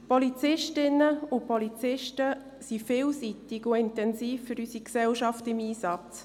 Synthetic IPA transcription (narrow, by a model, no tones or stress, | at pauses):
pɔlit͡sɪʃtɪnːəʊpʰolit͡sɪʃtə | sifɪːlsitɪɡʊɪntɛnsiːfːʏɾysiksɛlʃɑftɪmiːsɑt͡s